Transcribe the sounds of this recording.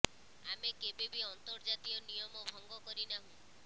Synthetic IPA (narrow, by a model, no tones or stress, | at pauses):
amekebebiɔnt̪ɔɾd͡ʒat̪iɔnijɔmɔbʱɔŋɡɔkɔɾinaɦũ